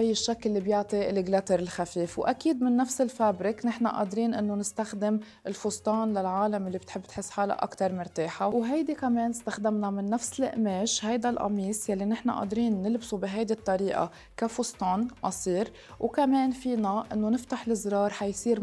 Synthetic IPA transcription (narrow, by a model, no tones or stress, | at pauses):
ʔajːɪʃːakːlːibjʊʕt̪ˤilɪɡlat̪ɪɾɪlxafiːfwʔa̰kiːd̪mɪnːafsɪlfabɾɪknɪħna̰ʔɑ̰ːd̪ɾiːnʔɪnːonɪst̪axd̪ɪm | ɪlfʊst̪ˤɑːnlalʕaːlamɪlːibɪt̪ħɪbːt̪ħɪsːħaːla̰ʔa̰kt̪ɑɾˤmʊɾt̪eːħawɦajd̪ikameːnɪst̪axd̪amnamɪnːafsɪlɪ̰ʔmeːʃhajd̪alʔɑ̰miːsjalːinɪħna̰ʔɑ̰ːd̪ɾiːnːɪlbsubɪɦajd̪it̪ˤːɑɾiːʔa̰ | kafʊst̪ˤɑːnʔɑsˤiːɾ | wkameːnfiːnaʔɪ̰nːonɪft̪aħlɪzɾɑːɾˤħajsˤiːɾ